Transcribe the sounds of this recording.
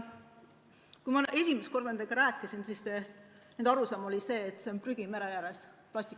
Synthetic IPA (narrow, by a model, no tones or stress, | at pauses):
kuimɑe̞sʲimest̪ko̞rd̪nend̪eɡ̥ɑɾæːkːˑisinsisːe̞ | nend̪ɑɾusɑmo̞lʲise̞ːt̪ːˑse̞onpryɡ̥ime̞ɾejæɾe̞splɑsʲt̪ikː